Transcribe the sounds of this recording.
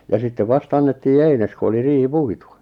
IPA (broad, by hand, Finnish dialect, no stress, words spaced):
jɑ sitːeʋ ʋɑst ɑnːetːiː eines ku oli riːhi puitu